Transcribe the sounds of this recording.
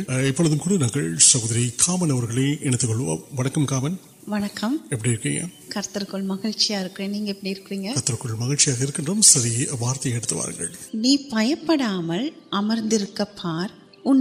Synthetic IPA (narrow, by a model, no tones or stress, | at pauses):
ɪpːɔɭɐðɯmkuːɽɐnaːŋɡɐɭsɐɣoːðɐɾikʰaːmɐnɐʋɐɾɣɐɭɐɪɛɳɐt̪ːɯkɔɭːɯʋɐ̰ʋɐɳɐkːɐmkaːmɐn | ʋɐnɐkːɐmɛpːɐɽijɪɾɯkːɪ̰ŋɡɐ̰ | kɐɾt̪ɐɾkɯɭmɐɣɪɻt͡ʃːɪjaːɪɾɯkːɯreːnniːŋɡɐɛpːɐɽiɪɾɯkːɯriːŋɡɐɐɾt̪ːɐɾɯkːɯɭmɐɣɪɻt͡ʃːɪjaːɣɐɪɾɯkːɪndrɐmsɐðibaːɾt̪ɐjɐɛɽɯt̪ːɯʋa̰ːɾɯ̰ŋɡɐ̰ɭniːpɐjɐpːɐɽaːmɐlʔɐmɐɾnd̪ɪɾɯkːɐpʰːaːɾ | ʊn